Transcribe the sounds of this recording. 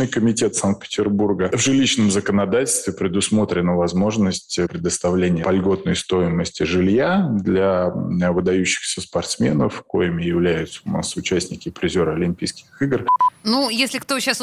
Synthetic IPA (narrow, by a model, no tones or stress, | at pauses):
nɨjkəmʲɪtʲe̞t̪sank̚t̪̚pʲɪ̥tʲɪrburɡəvʐɨlʲiɕnəmzəkənɐd̪atʲɪlʲst̪vʲɪpɾʲɪd̪ʊsmo̞t̪ɾʲɪnəvɐzmo̞ʐnəsʲtʲpɾʲɪd̪əst̪ɐvlʲenʲɪjəpɐlʲɡo̞t̪nəjst̪o̞jɪməsʲtʲɪʐɨlʲjad̪lʲavɨd̪ɐjʉɕːɪ̥xsʲəspɐrt̪smʲe̞nəfko̞̰jɪmʲɪjɪvlʲæjʊt̪səʊna̰sʊt͡ɕæsʲtʲnʲɪkʲɪpɾʲɪzʲo̞ɾəɐlʲɪmʲpʲijskʲɪxɨɡrnujesʲlʲɪkt̪oɕːas